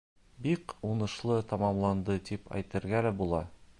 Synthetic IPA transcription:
biqunɤ̆ʃlˠɤt̪ɒmɑmlˠɑnd̪ɤt̪ipæ̰jt̪ɘ̆ɾɡælæbulˠɑ

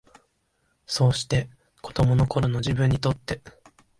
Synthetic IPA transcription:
so̞ːɕi̥t̪e̞ | ko̞̥d̪̥o̞mo̞no̞ko̞ɾono̞ʑibɯ̟̃ɲ̟ːit̪o̞t̪ːe̞

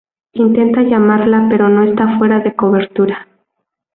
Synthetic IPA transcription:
int̪e̞nt̪aʝamaɾlape̞ɾo̞no̞e̞st̪afwe̞ɾaðe̞ko̞βe̞ɾt̪uɾa

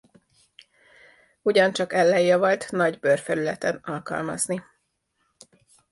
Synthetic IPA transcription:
uɟɒnt͡ʃɒkɛlːɛjːɛvɒlt̪nɒɟbørfɛɾylɛt̪ɛnɒlkɒ̰lmɒ̰zni

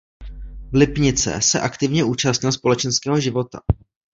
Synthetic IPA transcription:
vlɪpɲɪt͡sɛ̰sɛʔakt̪ɪvɲɛʔuːt͡ʃast̪ɲɪlspo̞lɛt͡ʃɛnskɛːɦo̞ʒɪvo̞t̪a̰

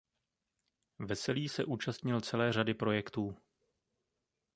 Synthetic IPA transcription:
vɛsɛliːsɛʔuːt͡ʃast̪ɲɪlt͡sɛlɛːr̝adɪpɾo̞jɛkt̪uː

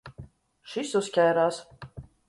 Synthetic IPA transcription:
ʃisuskʲajɾaːs

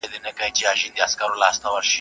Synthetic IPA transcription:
d̪inɐkɐjt͡ʃiaʃind̪iɐskɐɾolaːst̪ɐwɐɾʃi

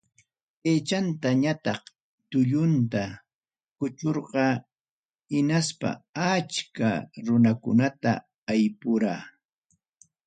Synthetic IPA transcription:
eːt͡ʃant̪aɲat̪ɑχ | t̪ʊʎʊnt̪a | kʊt͡ʃoɾɢɑ | hɪnaspa̰at͡ʃka̰ɾʊnakʊ̰nat̪a̰ː | jpʊɾaː

